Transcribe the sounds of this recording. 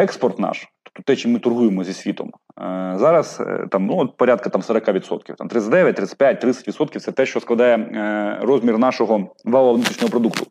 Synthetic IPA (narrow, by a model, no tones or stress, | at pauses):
ɛkspɔrt̪nɑ̰ʃu̥p̚t̪ɔt̪ɛt͡ʃimɪt̪ʊrɦujemɔzʲisʲʋʲit̪ɔ̰m | zɑɾɐst̪ɑmnuɔt̪̚pɔɾʲad̪̚kɐt̪ɑmsɐɾɐkɑʋʲid̪sɔ̰t̪̚kʲiwt̪ɑ̰mt̪ɾɪt̪ətʲd̪ɛʋʲjɐt̚ʲt̪ɾɪt̪ə̥tʲpjat̚ʲt̪ɾɪt̪ʲːɐtʲʋʲit̪sɔt̪kʲiwt̪sɛt̪ɛʃt͡ʃɔsklˠɐd̪ɑjɛɾɔzʲmʲirnɑʃɔɦɔʋɑɐʋnut̪ɾʲit͡ʃʃnɔɦɔpɾɔd̪ukt̪ʊ